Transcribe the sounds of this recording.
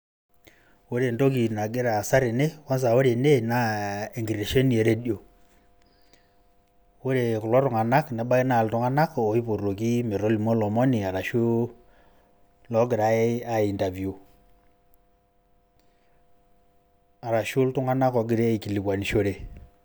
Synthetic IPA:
wo˦ɾe˨nto˦k̬i˨na˨ɡɪ˦ɾa˨sa˦ɾe˨ne˦wa˦ns̬a˨wo˦ɾe˨ne˦na˦e˨ŋɡi˨ɾe˨ʃe˦ni˨e˨ɾe˦ɗjo˨ | wo˦ɾe˨ku˨lɔ˦ɾu˨ŋa˨na˦knɛ˨˦ɓa˦i˦na˨ltu˦ŋa˦na˦ko˨i˦po˨ro˨ki˦me˨ɾo˦li˨mɔ˦lɔ˨mɔ˦ni˨a˨ɾa˨ʃu˦ | lɔ˦ɡɪ˨ɾa˨˦e˦a˦i˨nta˨vju˨ | a˨ɾa˨ʃu˦ltu˦ŋa˦na˦kɔ˨ɡɪ˦ɾe˦i˨ki˨li˨kwa˨ni˨ʃo˦ɾe˨

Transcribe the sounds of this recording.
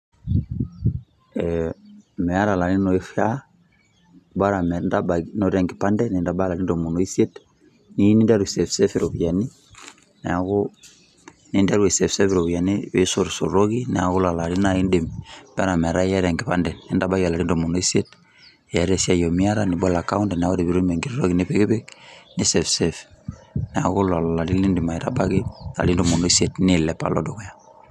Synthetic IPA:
ɛ | mɛ˨a˦ɾa˨la˨ɾi˦nɔ˨e˦fa˦ | bwa˦ɾa˨mɛ˨nda˦ba˨inɔ˨ɾɛ˨ŋɡi˨pa˦ndɛ˦ne˨nda˨ba˦la˨ɾi˦n˦dɔ˨mu˨nɔ˨i˦se˦t | ni˦ni˦da˦ɾe˨sɛ˨fsɛ˦fi˦˨ɾo˨ku˨ja˨ni˦ | nɛ˨a˨ɣo˦ | ni˨˦nda˦ɾwe˨sɛ˨fsɛ˦fiɾɔ˨βu˨ja˨ni˦wḛ˦so˨ɾso˨ɾo˦ɣi˦nɛ̰˨a˨ɣo˦la˨la˨ɾi˦na˦i˦nde˨mb̥ɛ˦ɾa˨mɛ˨ɾa˦jɛ˦ɾɛ˨ŋɡɪ˨pandɛ˨ni˦nda˦ba˦ɡa˨la˨ɾi˦ndɔ˨mɔ˨no˦i˦se˦t̚ | jɛ˨ɾɛsi˦a˨jɔ˨mi˦a˦ɾani˨ba˦la˨ka˦u˦ndɛ˨nɛ˨a˦ɡo˦di˨bi˨ɾu˦nmɛ˨ŋɡi˨ɾɾɔ˦ɡi˨nipeɡi˦bɛ˦k̚ni˦sɛ˨fsɛfnɛ˨a˨ko˦la˨la˨la˨li˦li˦ndi˨ma˨iɾa̰˦ba˦ɡi˦a̰˨li˦ndɔ˨mɔ˨no˦i˦setnilɛ˨pa̰˨lɔ˦dɔ˨kɔ˨ja˨

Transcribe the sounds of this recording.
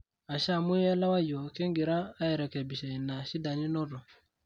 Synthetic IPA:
a˨ʃa˦˨mu˦a˦la˦wa˦jɔ˨ke˦ŋɡi˨ɾaː˦ɛ˨ɾɛ˨kɛ˨bi˨ʃɛ˨i˨na˨ʃi˦da˨ɲi˦nɔ˦ɾɔ˨

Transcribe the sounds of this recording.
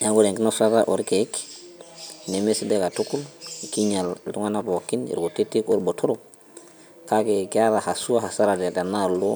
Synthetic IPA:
ja˦ɡu˦ɾe˨ŋki˦no˦sa˦ɾa̰˦ʔo˨ɾke˨˦k | ne˨me˦si˦de˦ka˨tu˦ku˦lki˦ɲa˨lltu˦ŋa˦na˦bo˨kːi˦nḭ˨ɾɡo˨te˦tːi˦ko˦ɾbo˨tʰo˦ɾo˨ | ka˦ke˨ke˦a˦ɾa˨ha˨su˦a˦ha˨sa˦ɾa˨de˨da˨na˦˨lo˦

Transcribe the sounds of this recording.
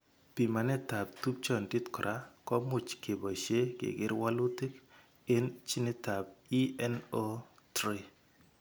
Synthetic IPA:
pi˨ma˨nɛ˦ta˨b̚t̪u˦p̚t͡ʃɔ˨ndi˦tkɔ˨ɾʔa˦kɔ˦mʊ˨t͡ʃke˨bɔ˨ʃe˦kḛ˨ɡɪ˦ɾwa˦lu˦tɪ˦k | ɪ˦nt͡ʃi˦ne˦ta˨b̚i˦ɛ˦no˦ | t̪ɾi˦

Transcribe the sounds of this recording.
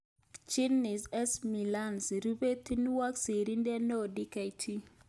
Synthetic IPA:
t͡ʃi˦nːi˨sɛ˦smi˨la˦nsɾu˦be˦t̪i˦n˦wa˦ksi˨ɾi˦ndɛ˦nɔ˦o˨di˦ka˨jtʰi˦

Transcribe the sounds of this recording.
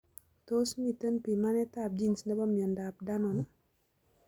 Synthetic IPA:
to˦smi˨tə˦npi˨ma˦nɛ˦ta˦p̚d͡ʒi˦nsnɛ˦bɔ˦mi˨ɔ˨nda˨p̚da˦nɔ˨n˨

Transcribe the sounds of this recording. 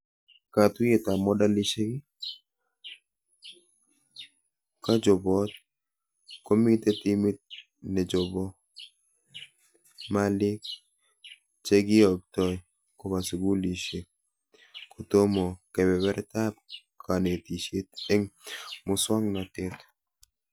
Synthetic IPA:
ka˨t̪we˦t̪a˨mɔ˦da˦li˦ʃe˦ɡɪ˦ | ka˦d͡ʒɔ˨bɔ˦t̪̚ | ko˦mi˦t̪e˦t̪i˦mi˦t̪̚ | nɛ˨d͡ʒɔ˨bɔ˦ | ma˦lɪ˦k | t͡ʃe˦ɡɪ˦ɔ˨k̚tɔ˦j | ko˦ba˨su˨ɡu˦li˨ʃe˨ | ko˨to˦mɔ˨kɛ˨bɛ˨wɛ˦ɾta˦p | kʰa˨ne˨ti˨ʃe˦t̪e˦ŋmʊ˨swa˦ŋna˨t̪ɪ˦t̪

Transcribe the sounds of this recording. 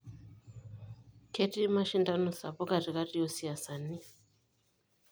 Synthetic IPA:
ke˦ti˦ma˦ʃi˦nda˦nu˨sa˨po˦ka˨ti˨ka˦ti˦jo˦si˨a˨sa˨ni˦

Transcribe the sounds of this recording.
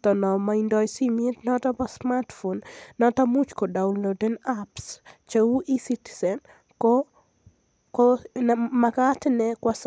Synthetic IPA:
t̪ɔ˨nɔ˨ma˨indɔ˨jsi˦me˦tnɔ˦ta˦pɔ˦sma˦tfonnɔ˦t̪a˦mu˦t͡ʃkɔ˨da˨unlodɛ˦napst͡ʃewu˦ʔi˦si˦ti̥sɛ˨n | k | k | makaː˦tnɛ˦kwas

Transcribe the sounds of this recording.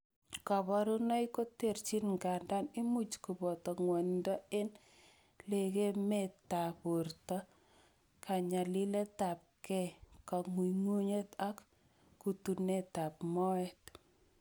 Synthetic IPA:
ka˨βɔ˨ɾu˦nɔ˦iko˦te˨rt͡ʃi˦nŋɡa˨nda˦ni˦mu˦t͡ʃku˨bɔ˨tɔ˨ŋwɔ˨ndɔ˦e˦n | le˨ke˦me˦˨ta˨pu˨rtɔ˦ | kʰa˨ɲa˨li˦le˦ta˨p̚kɛ˦ka˨ŋu˨ŋu˦ɲe˦ta˦kː | u˨tu˨ne˦ta˨pmɔ˦ɛt

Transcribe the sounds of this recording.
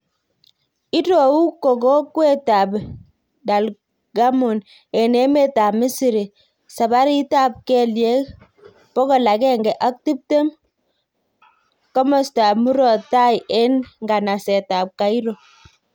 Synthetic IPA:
i˦to˨u˦ko˨kɔ˦kwe˦ta˨b | da˨l | ɡa˦mo˨n | ɛ˨ne˦me˦ta˨mɪ˦si˨ɾi˨ | sa˨ba˦ɾi˦ta˦p̚kɛ˦lje˦k | pɔ˦kɔ˨la˨kɛ˦ŋɡɛ˨ʔa˦k̚ti˦p̚te˦m | kɔ˦mɔ˨sta˨pmu˦ɾɔ˨ta˦je˦nŋɡa˨na˨sɛ˨ta˨p̚ka˨i˦ɾo˨

